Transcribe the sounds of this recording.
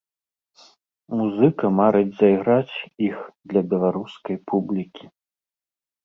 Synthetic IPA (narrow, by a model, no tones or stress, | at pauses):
muzɨkɐmaɾɨd͡zʲzɐiɣɾat͡sʲixd̪lʲɐbʲɛlˠaɾuskɐjpʰublʲikʲi